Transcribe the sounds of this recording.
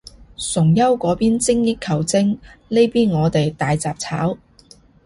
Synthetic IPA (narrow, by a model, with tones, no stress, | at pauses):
sʊ˨˩ŋjɐ˥wkɔː˨˥piː˥nt͡sɪ˥ŋjɪ˥kʰɐ˨˩wt͡sɪ˥ŋle˥jpiː˥nŋɔː˨˧t̪e˨jt̪aː˨jt͡saː˨p̚t͡sʰa̰ː˨˥w